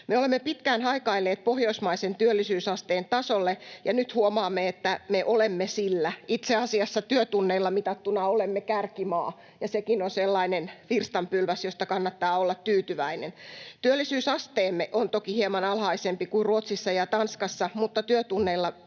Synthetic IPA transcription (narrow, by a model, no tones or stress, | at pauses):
meolemːepit̪kæːnhɑikɑilːeːt̪̚pohjoismɑisent̪yølːisyːsɑst̪eːnt̪ɑsolːejɑnyt̪huomɑːmːeet̪ːæmeʔolemːesilːæit̪seɑsiɑsːɑt̪yøt̪unːeilːɑmit̪ɑt̪ːunɑolemːekærkimɑ̰ː | jɑsekinonselːɑinenfirst̪ɑmpylʋæsjost̪ɑkɑnːɑt̪ːɑːolːɑt̪t̪yːt̪yʋæinent̪yølːisyːsɑst̪eːmːeʔont̪okihiemɑnɑlhɑisempikuiruot̪sisːɑjɑt̪ɑnskɑsːɑmut̪ːɑt̪yøt̪unːeilːɑ